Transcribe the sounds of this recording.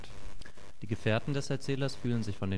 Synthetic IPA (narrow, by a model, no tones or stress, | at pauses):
d̥iːɡəfɛːɐtn̩dɛsɛɐt͡sɛːlɐsfyːlənzɪçfɔndeː